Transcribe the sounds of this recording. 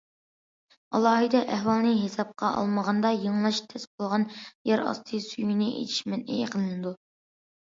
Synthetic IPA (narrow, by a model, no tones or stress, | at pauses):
ɑ̰lˠɑːɦɨd̪ɛʔæhwɑlˠnɨɦesɑp̚qʰɑʔɑ̰lˠməʁɑnd̪ɑjəŋlˠɑʃt̪ʰɛsbolˠʁɑnjæɾɑ̰st̪ʰɨsyjinɪʔḛt͡ʃʰi̥ʃmɪnḛjeqʰənɨnɨd̪u